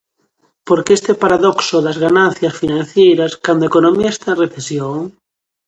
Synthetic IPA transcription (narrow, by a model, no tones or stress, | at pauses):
poɾkeest̪epaɾaðoksoðazɣanãnθjasfinãn̟θjejɾaskand̪oekonomiaest̪aenreθesjoŋ